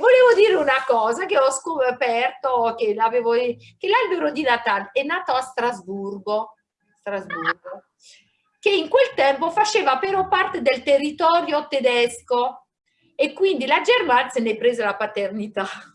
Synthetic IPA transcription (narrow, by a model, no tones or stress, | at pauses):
voleːvod̪iːɾeunakɔːzakeɔskopɛrt̪okelaveːvo | kelalbeɾod̪inat̪alɛnːaːt̪oast̪ɾazburɡo | st̪ɾazburɡo | keiŋkwelt̪ɛmpofat͡ʃeːvapeɾɔpart̪ed̪elt̪erːit̪ɔːɾjot̪ed̪ɛsko | ekːwind̪ilad͡ʒermant̪senepːɾeːzelapat̪ernit̪a